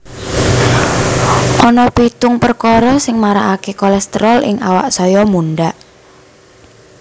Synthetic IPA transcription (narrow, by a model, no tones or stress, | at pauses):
ʔɔnɔpit̪ʊŋpərkɔɾɔsɪŋmaɾaʔakekɔlɛst̪əɾɔlʔɪ̰ŋawa̰ʔsɔjɔmunɖaʔ